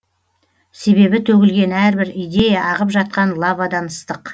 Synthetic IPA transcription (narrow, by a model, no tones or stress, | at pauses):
se̞βe̞bɪt̪ʰɵɡʲɪlɡʲe̞næɾbɪɾijd̪e̞jaʔɑʁəpʒɑt̪̚qɑnlˠɑvɑd̪ɑnəst̪əq